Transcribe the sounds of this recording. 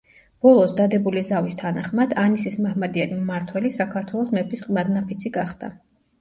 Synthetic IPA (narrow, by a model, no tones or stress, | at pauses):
b̥ɔlˠɔsd̪ad̪ɛbulizavist̪ʰanaχmad̪anisismahmad̪ianimaɾt̪ʰwɛlisakʰaɾt̪ʰwɛlˠɔsmɛpisqʼmad̪napʰit̪sʰiɡaχd̪a̰